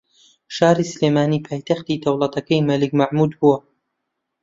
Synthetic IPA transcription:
ʃaːɾisɨleːmaːniːpʰaːjt̪ɐxt̪id̪ɐwlˠɐt̪ɐkɐjmɐlɨkmɐʕmuːd̪buwɐ

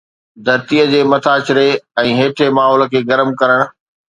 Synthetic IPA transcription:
d̪ʱɐɾt̪iəd͡ʑeːmɐt̪ʰaːt͡ɕɪɾeɛ̃ːɦeːʈʰemaːɦɔːl̆kʰeːɡɐɾəmkɐɾəɽ̃ʊ̆

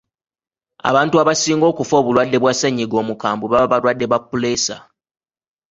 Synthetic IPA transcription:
a̰βaːntuaβasiːŋɡo̞ːkufo̞ːβulwadːe̞βwasaɲːiɡo̞ːmukaːmbuβaββalwadːe̞βapːule̞sa̰

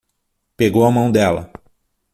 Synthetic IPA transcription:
peɡowɐmɐ̃w̃d̪ɛlɐ̰

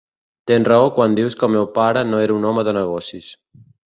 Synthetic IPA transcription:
t̪enrəokwand̪iwskəlmewpaɾənoeɾunɔməðənəɣ̞ɔsis

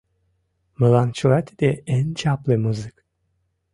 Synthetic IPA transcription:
mɯlˠant͡ʃʰulat̪ʰd̪ɛænt͡ʃʰaplˠɯmuzɯk

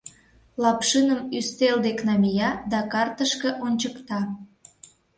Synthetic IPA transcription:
lɑpʃɨnəmyst̪eld̪eknɑmʲijɑd̪ɑkɑrt̪əʃkĕʔonʲt͡ɕəkt̪ɑ

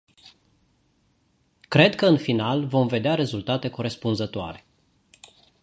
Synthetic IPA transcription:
kɾe̞d̪kəɨnfinalvo̞mve̞d̪eaɾe̞zult̪at̪e̞ko̞ɾe̞spunzət̪oa̰ɾe̞

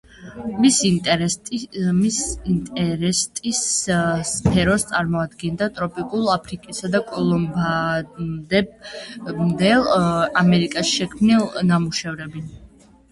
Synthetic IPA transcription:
sʼ | int̪ʼɛɾɛst̪ʼisspʰɛɾɔst̪sʼaɾmɔad̪ɡɛnd̪at̪ʼɾɔpʼikʼulˠapʰɾikʼisad̪akʼɔlˠɔmba | d̪ɛb | md̪ɛlˠamɛɾikʼasʃɛkʰmnilˠnamuʃɛvɾɛbin

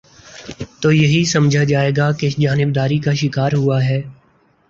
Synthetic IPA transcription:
t̪oːjɐɦisɐmd͡ʒʱad͡ʒaːeːɡaked͡ʒaːnɪb̚d̪aːɾikaʃɪkaːɾɦʊaɦɛː

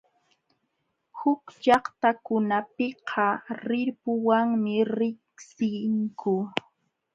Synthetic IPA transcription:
hʊkʎɑχt̪akʊnapɪqʰɑɾɪɾpʊwaŋmɪɾɪksɪŋkʊ

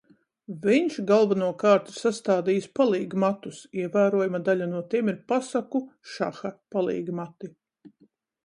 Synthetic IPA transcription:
viɲʃɡalˠvanuɔkɑːɾt̪iɾsast̪aːd̪iːjspalˠiːɡmat̪usiɛvæːɾuɔjumad̪alʲanuɔt̪iɛmiɾpasakuʃa̰xapalˠḭːɡmat̪i

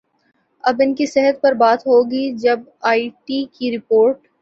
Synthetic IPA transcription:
ɐbɪnkisɛɦət̪̚pɐɾbaːt̪ɦoːɡid͡ʒɐb | aːiʈikiɾɪpoːɾʈ

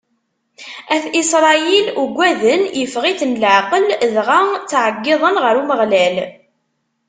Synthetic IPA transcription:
æθisɾˤɑjiluɡʷːæðənjəfʁiθnləʕqəlðʁat͡sːʕəɡːɪðˤənʁəɾuməʁlæl

